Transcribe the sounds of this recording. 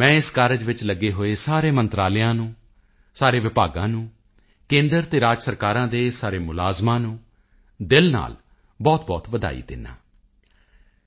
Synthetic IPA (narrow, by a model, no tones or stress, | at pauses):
mɛ̃ːɪskaːɾəd͡ʒʋɪt͡ʃləɡːeːɦoːeːsaːɾeːmə̃nt̪ɾaːlɪjãːnũː | saːɾeːʋɪpaːɡãːnũː | kẽːnd̪əɾt̪eːɾaːd͡ʒsəɾkaːɾãːd̪eːsaːɾeːmʊlaːzmãːnũː | d̪ɪlna̰ːl | bɔːt̪̚bɔːt̪ʋəd̪a̰ːḭːd̪ɪ̰nːa̰ː